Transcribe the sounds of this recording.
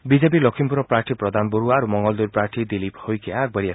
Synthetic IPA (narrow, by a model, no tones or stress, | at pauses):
bid͡ʒep̬ilɔkʰimpuɾɔpɾaɾʈʰipɾɔd̪ʱanɔboɾuaːɾumɔŋɡɔld̪uɾpɾaɾʈʰid̪iliphojkʰiaːɡ̚baɾia